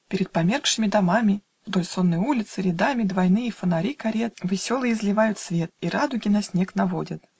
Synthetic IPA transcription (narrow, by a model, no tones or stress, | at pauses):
pʲɪɾʲɪt̪̚pɐmʲerkʂɨmʲɪd̪ɐmamʲɪ | vd̪olʲso̞nːəjəulʲɪt̪sɨɾʲɪd̪amʲɪd̪vɐjnɨjəfənɐɾʲikɐɾʲet̪vʲɪsʲo̞lˠɨjɪzlʲɪvajʊt̪svʲe̞t̪̚iɾad̪ʊɡʲɪnɐsʲnʲeknɐvo̞dʲət̪